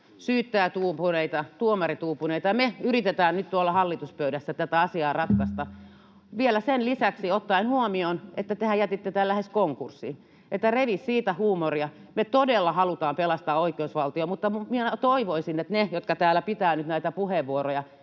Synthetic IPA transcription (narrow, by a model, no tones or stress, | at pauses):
syːt̪ːæːt̪uːpuneit̪ɑt̪uomɑrit̪uːpuneit̪ɑɑmeyrit̪et̪æːnnyt̪t̪uolːɑhɑlːit̪uspøyɾæsːæt̪æt̪æɑsiɑːrɑt̪kɑst̪ɑ | ʋielæsenlisæksiot̪ːɑinhuomionʔet̪ːæt̪ehæjæt̪it̪ːet̪æhælæheskoŋkursːḭː | et̪ːæreʋissiːt̪æhuːmoriɑ | met̪odelːɑhɑlut̪ɑːmpelɑst̪ɑːoikeusʋɑlt̪iomut̪ːɑmumiet̪oiʋoisinet̪nejot̪kɑt̪æːlæpit̪æːnyt̪næˑit̪æpuheʋʋuorojɑ